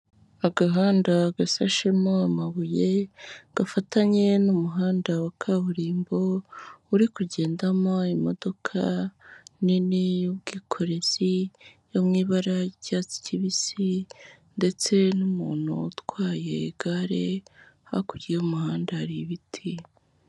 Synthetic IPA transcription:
aɡaɦaːndaɡasaʃemoamaβuje̞ɡ̥afataɲe̞numuɦaːndawakʰaβuɾiːmbo̞uɾikuɟe̞ːndamo̞imo̞do̞kʰa̰ | niniubɡiːkʰo̞ɾe̞zijomŋiːβaɾaɟat͡si̥ciβisi | nde̞t͡se̞numuːn̥hṵːtwaːje̞ɡaɾeha̰kuɾioumuhaːndaɾiβitʰi

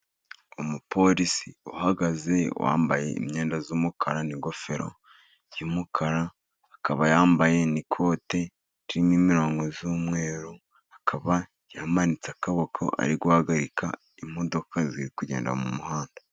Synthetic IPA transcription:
umupo̞ɾisḭuhaɡaze̞̰wʔa̰ːmbaje̞̰ḭmɲeːndazuːmukʰaɾaniɡo̞fe̞ɾo̰ | jumukʰaɾaː | kaβajaːmbaje̞nikʰo̞ːte̞ | ɾiɾimwiːmiɾo̞ːŋɡo̞zuːmŋe̞ːɾu | akʰaβa | jaamanit͡sakaβokʰo̰ʔa̰ɾiɡwahaɡaɾikʰa̰ | im̥ho̞do̞kʰaziɾikuɟe̞ːnda̰mumuhaːndḁ

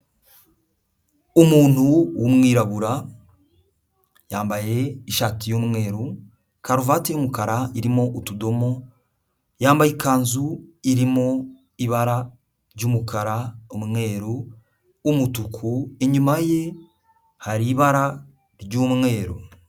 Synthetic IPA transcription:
omuːn̥huwomŋwiːɾaβuɾa | jaːmbaje̞iʃaːtijomumwe̞ːɾo | kaɾuvaːtejomukaɾaiɾimo̞ʔutudo̞mo̞ | jaːmbajikaːnzuiɾimo̞ | iβaɾa | ɾɟoːmukaɾaomumŋe̞ːɾoː | mutukʰueɲumaje̞ | haɾiβaɾa | ɾɟoːmumwe̞ːɾo̰

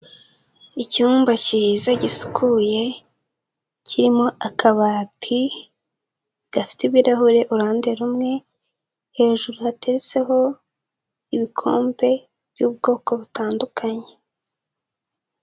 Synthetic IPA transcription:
icuːmbacizaɟisu̥kʰuje̞ | ciɾimo̞akʰaβaːtʰi | ɡ̥afi̥tiβiɾaɦuɾe̞ʔuɾaːnde̞ɾumŋe̞ | he̞ːʒuɾuhate̞ɾet͡se̞ɦo̞ | iβikʰo̞ːmbe̞ | β̥juːb̚ɡo̞ːko̞βutaːndukʰaɲe̞

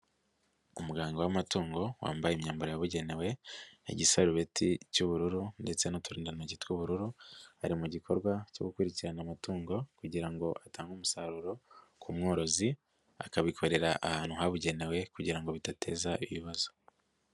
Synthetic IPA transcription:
umuɡaːŋɡo̞wamatuːŋɡo̞wa̰ːmbajemɲaːmbaɾojaβuɟe̞ne̞we̞ḛɟisaɾuβe̞tʰicuβuɾuɾunde̞t͡se̞nutuɾiːndanaɟitkwuβuɾuɾuhaɾimuɟikʰo̞ɾɡwaco̰ɡukuɾiciɾanamatuːŋɡo̞kuɟiɾaŋɡo̞ʔataːŋɡumusaɾuɾo̞kʰumŋoːɾo̞zi | a̰kaβikʰo̞ɾe̞ɾaʔahaːn̥huɦaβuɟe̞ne̞we̞kuɟiɾaŋɡo̞βitatʰe̞̰ːzaʔiβiβazo̞

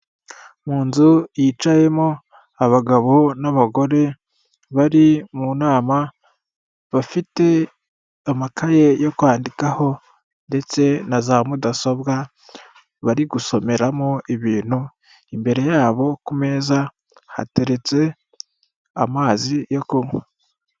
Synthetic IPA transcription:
muːnzujit͡ʃaje̞mo | aβaɡaβo̞naβaɡo̞ɾe̞ | βaɾimunaːma | βafite̞ | amakʰaje̞jo̞kwaːndikaho̞ | nde̞t͡se̞nazamudaso̞βɡa | βaɾiɡuso̞me̞ɾamoiβiːn̥hu | imbe̞ɾe̞jaːβo̞kume̞ːza | ha̰te̞ɾe̞t͡se̞ | a̰maːzijokumwe

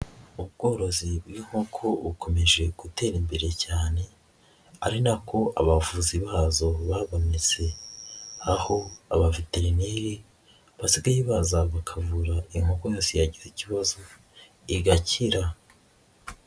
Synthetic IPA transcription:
ub̚ɡo̞ːɾo̞zibɡiːŋ̥ho̞kʰo̞βukʰo̞me̞ʒe̞ɡ̥ute̞ːɾimbeɾe̞caːne̞ | a̰ɾinakʰo̞ʔa̰βavuziβaːzo̞βaβo̞net͡se̞ | aho̞a̰βaviteɾineɾi | βasiɡajiβazaβakʰavuɾaiŋhokojoːsejaɟiziciβazo̞ | iɡaciɾa

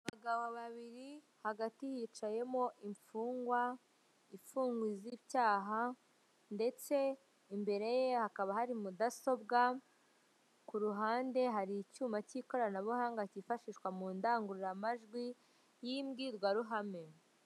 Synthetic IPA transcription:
βaɡaβoβaβiɾi | haɡatihiːt͡ʃaje̞mo̞ʔiɱfuːŋɡwa | iɱfuːŋɡwiziβjaːɦa | nde̞t͡se̞ | imbe̞ɾe̞jehakaβahaɾimudaso̞bɡa | kuɾuɦaːnde̞ɦaɾicuːmaciko̞ɾanaβuhaːŋɡacifaʃiʃkwamuːndaːŋɡuɾiɾamaʒɡwi | jimɡiːɾɡwaɾuɦame̞

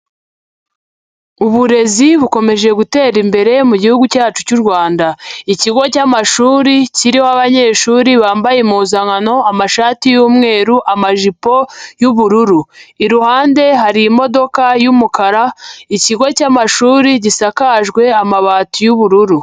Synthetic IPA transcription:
uβuɾe̞ziβuko̞me̞ʒe̞ɡute̞ːɾimbe̞ɾe̞muɟihuɡucaːt͡ʃucuɾɡwaːndaiciɡocaːmaʃuːɾiciɾihoaβaɲe̞ːʃuːɾiβaːmbajemuːzaŋano̞amaʃaːtijuːmŋe̞ːɾuʔamaʒipo̞juβuɾuɾuiɾuhaːnde̞ɦaɾiːmo̞do̞kajumukaɾaiciɡo̞caːmaʃuːɾiɟisakaʒɡwe̞amaβaːtujuβuɾuɾu

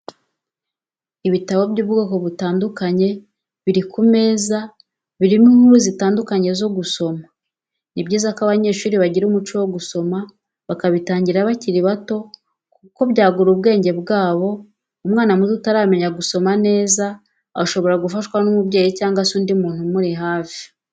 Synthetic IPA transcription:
iβitaβo̞bɟuːbɡo̞ːko̞βutaːndukaɲe̞ | βiɾikume̞ːza | βiɾimiŋuɾuzitaːndukaɲe̞zo̞ɡuso̞ma | nibɟiːzakaβaɲe̞ːʃuːɾiβaɟiɾumut͡ʃuwo̞ɡuso̞ma | βakaβitaːɲɟiɾaβaciɾiβato̞ | kuko̞βɟaːɡuɾub̚ɡe̞ːɲɟe̞bɡaːβo̞ | umŋaːnamuziutaɾaːme̞ɲaɡuso̞mane̞ːza | aʃo̞βo̞ɾaɡufaʃkwanumubɟe̞ːjicaːŋɡasuːndimuːn̥humuɾiɦaːfji̥

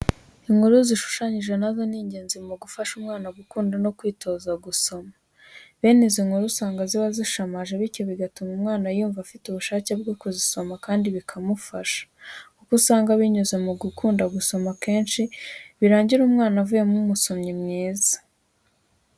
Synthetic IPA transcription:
iŋhuɾuziʃu̥ʃaɲiʒe̞nazoniːɲɟe̞ːnzimuɡufaʃumŋaːnaɡukuːndano̞kwiːtʰo̞ːzaɡuso̞ma | βe̞ːneziŋhuɾusaːŋɡaziβaziʃamaʒeβiɾco̞βiɡatumumŋaːnajuːɱvafituβuʃaːce̞b̚ɡokuziso̞makaːndiβikʰamufaʃḁkukusaːŋɡaβiɲuzemuɡukʰuːndaɡuso̞make̞ːnʃiβiɾaːɲɟiɾuːmŋaːnavuje̞mumuso̞mɲimŋiːza

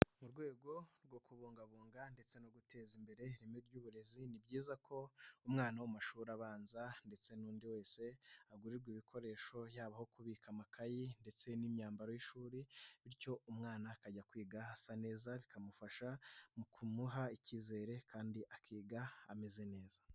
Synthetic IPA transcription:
muɾɡwe̞ːɡo̞ɾɡwo̞kuβoːŋɡaβoːŋɡande̞t͡se̞noɡutʰe̞ːzimbe̞ɾe̞ɾimiɾɟuːβuɾe̞zinibɟiːzakʰo̞umŋaːnawamaʃuːɾaβaːnzande̞t͡se̞nuːndiwe̞ːse̞aɡuɾiɾɡwiːβikʰo̞ɾe̞ːʃo̞jaːβaho̞kuβiːkamakʰajinde̞t͡se̞nimɲaːmbaɾo̞jiʃuːɾiβiɾco̞umŋaːnakaɟakwiːɡahasane̞ːzaβikʰamufaʃamukʰumuɦaiciːze̞ːɾe̞kʰaːndiʔakʰiːɡaa̰me̞ze̞ne̞ːza

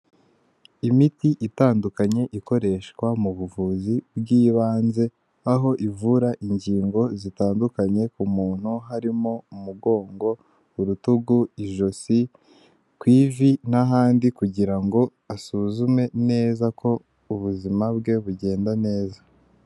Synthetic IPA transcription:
imitiʔitaːndukaɲe̞ʔiko̞ɾe̞ːʃkwamuβuvuzibɡiːβaːnze̞ | aɦo̞ʔivuɾaʔiɲɟiːŋɡo̞zitaːndukaɲe̞kumuːn̥huɦaɾimo̞umuɡo̞ːŋɡo̞ | uɾutuɡuiʒo̞si | kwiːvinaɦaːndikuɟiɾaŋɡo̞ | asuzume̞ne̞ːzakʰo̞ | uβuzimabɡe̞βuɟe̞ːndane̞ːza

